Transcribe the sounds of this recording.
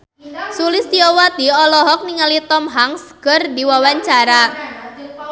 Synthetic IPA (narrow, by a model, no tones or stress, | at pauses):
sulɪst̪iɔwat̪iɔlɔɦɔk̚niŋalit̪ɔmɦaŋsɡ̥ərdiwawaɲt͡ʃaɾa